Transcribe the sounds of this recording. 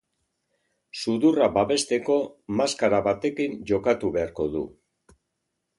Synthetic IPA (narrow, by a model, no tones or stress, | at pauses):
suðurabaβe̞st̪e̞ko̞maskaɾaβat̪e̞kinʝo̞kat̪uβe̞aɾko̞ðṵ